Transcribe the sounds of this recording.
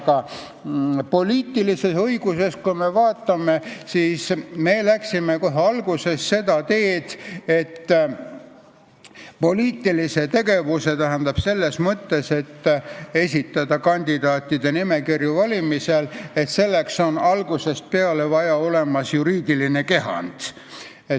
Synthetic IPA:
kɑ | po̞liːt̪ːˑilise̞sɤiɡ̥use̞skume̞vɑːt̪ːˑɑme̞siːsme̞læksime̞ko̞ɦeɑlɡuse̞sse̞d̪ɑt̪e̞ːd̪̥e̞t̪ː | po̞liːt̪ːˑilise̞t̪e̞ɡ̥e̞vuse̞t̪æɦænd̪ɑb̥se̞lːe̞smɤt̪ːe̞se̞t̪ːe̞sʲit̪ːˑɑd̪ɑkɑnʲd̪id̪̥ɑːt̪ˑːid̪e̞nime̞kirjuvɑlʲimisele̞t̪se̞lːe̞kso̞nɑlɡuse̞st̪̚pe̞ɑlevɑjɑo̞le̞mɑsjuɾiːd̪̥iline̞ke̞ɦɑ̰nd̪̥ | e

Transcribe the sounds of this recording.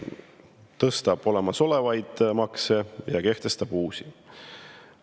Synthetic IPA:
t̪ɤst̪ɑb̥o̞le̞mɑso̞le̞vɑjd̪̥mɑkse̞jɑke̞ht̪e̞st̪ɑb̥uːsi

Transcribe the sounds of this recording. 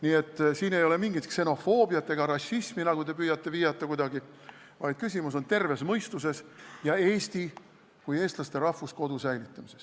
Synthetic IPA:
niːe̞t̪ːˑsiːne̞jo̞le̞miŋɡ̥it̪kse̞no̞fo̞ːbiɑt̪ːˑe̞ɡ̥ɑɾɑɕːisminɑɡ̥ud̪e̞pyːjɑt̪ːe̞vijɑt̪ˑːɑkujd̪̥ɑɡi | vɑjd̪̥kys̬ʲimuso̞nt̪e̞rve̞smɤjst̪use̞sjɑe̞ːst̪i | kuje̞ːst̪lɑst̪e̞ɾɑhvusko̞d̪usæjlit̪ːˑɑmise̞s

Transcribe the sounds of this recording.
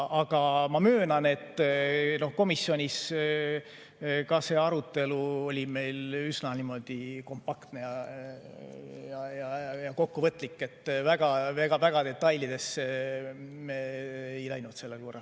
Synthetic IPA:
ɑɡ̥ɑmɑmø̞ːnɑne̞t̪ːno̞hko̞misːjo̞nʲis | kɑse̞ːɑɾut̪ˑːe̞luo̞lʲime̞jlysnɑnimo̞d̪̥iko̞mpːɑkt̪ne̞jɑ | jɑjɑjɑko̞kːuvɤt̪ːˑlikːˑe̞t̪ːvæɡ̥ɑvɡ̥ɑvæɡ̥ɑd̪e̞t̪ːɑjlid̪e̞se | meːjlæjnut̪se̞lːe̞lko̞rːɑ̰l

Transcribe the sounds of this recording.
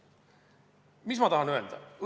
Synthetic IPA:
mismɑt̪ɑɦɑnøe̞ld̪ɑ̰

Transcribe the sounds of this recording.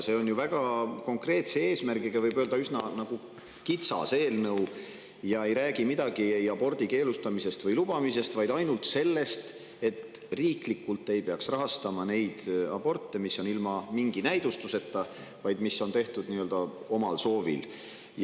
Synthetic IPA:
se̞ːo̞njuvæɡ̥ɑko̞ŋkre̞ːt̪see̞ːsmærɡiɡ̥ɑvɤjbøld̪ɑysnɑnɑɡ̥u | kit̪sɑ̰se̞ːlnɤw | jɑe̞jɾæːɡimid̪ɑɡ̥ie̞jɑbo̞rd̪̥ike̞ːlust̪ɑmise̞st̪vɤjlub̥ɑmise̞st̪vɑjd̪̥ɑjnult̪se̞lːe̞st̪ | e̞t̪ | riːklikːult̪ːˑe̞jpe̞ɑksrɑɦɑst̪ɑmɑne̞jd̪̥ɑ̰b̥o̞rt̪ˑːemisːo̞nilmɑmiŋɡ̥inæjd̪ust̪use̞t̪ːɑ | vɑjd̪̥misːo̞nt̪e̞ht̪ud̪̥niːø̞ld̪̥ɑ | o̞mɑlso̞ːvḭl | j

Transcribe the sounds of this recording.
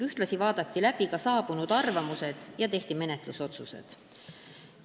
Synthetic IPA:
yht̪lɑsivɑːd̪ɑt̪ːilæb̥ikɑsɑːb̥unud̪̥ɑrvɑmuse̞d̪̥jɑt̪e̞ht̪ime̞net̪ˑluso̞t̪susḛd̪̥

